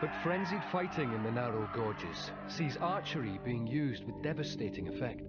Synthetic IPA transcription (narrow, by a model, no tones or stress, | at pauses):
b̥ʌtfɹɛ̃nzid̥faɪʔʰɪ̃ŋɪ̃nðənaɹoʊɡɔd͡ʒɪ̰z̥ | siːzɑɹt͡ʃəɹibiɪ̃ŋjʉːzd̚wɪðdɛvəsteɪʔɪ̃ŋəfɛk̚t